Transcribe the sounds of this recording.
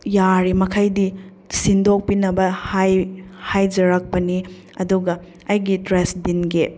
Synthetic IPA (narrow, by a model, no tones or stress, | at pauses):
jaɾimɐkʰajdi | sindok̚pinɐbɐhajhajd͡ʒɐɾɐk̚pɐni | ɐ̰duɡɐ | ɐjɡitɾesdinɡe